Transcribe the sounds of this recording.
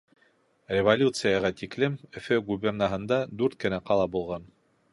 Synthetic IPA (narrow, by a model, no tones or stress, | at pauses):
rʲɪvolʲut̪sɨjɑʁɑt̪iklɘmɵ̆fɘɡubʲɪrnaɦɤ̆nd̪ɑd̪ʉɾt̪̚kɘ̆næqɑlˠɑbulˠʁɑn